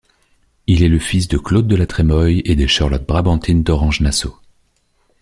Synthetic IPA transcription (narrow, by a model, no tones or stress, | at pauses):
ilɛləfis̬d̪əklod̪̚ːəlat̪χɛmɔjed̪eʃaʁlɔt̪̚bʁabɑ̃t̪ʰind̪ɔʁɑ̃ʒnaso